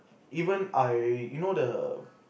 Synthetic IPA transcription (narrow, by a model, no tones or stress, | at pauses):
iːvə̃naɪjunodə